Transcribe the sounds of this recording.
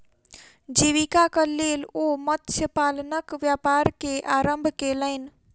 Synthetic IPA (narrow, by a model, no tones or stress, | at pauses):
d͡ʒiʋikakəlelomət̪sʰjəpalnəkʋjapaɾkeʔaɾəmbʱkeləɪn